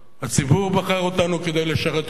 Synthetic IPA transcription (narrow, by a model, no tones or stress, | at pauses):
hat͡sibuʁbaχaʁo̞t̪anuked̪ejleʃaʁet̪